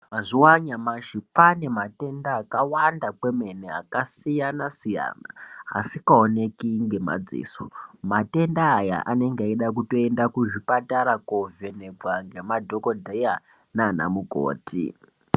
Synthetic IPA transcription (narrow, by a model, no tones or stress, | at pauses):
ɦaʐiwaɲamaʃipane̞mate̞ndaːkawandake̞me̞nea̰kasijanasija̰ːna̰a̰sikaone̞kiŋɡe̞ma̰d͡zḭːsomate̞ndaːja̰ʔane̞ŋɡeaiɗakuto̞e̞ndakuʐipataɾakove̞ne̞ɡwaŋɡe̞madʱo̞kodʱeja | nana̰muko̰ːtʰḭ